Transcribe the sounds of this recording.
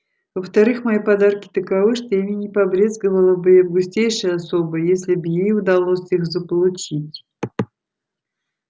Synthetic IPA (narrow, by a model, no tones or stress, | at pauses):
vəft̪ɐɾɨxmɐjipɐd̪arkʲɪ̥t̪əkavɨʂt̪ojamʲinʲɪpɐbɾʲezɡəvəlˠəbɨjavɡʊsʲtʲejʂɨjɐsobəjjesʲlʲɪbjejʊd̪ɐlˠosʲixzəpəlˠʊt͡ɕitʲ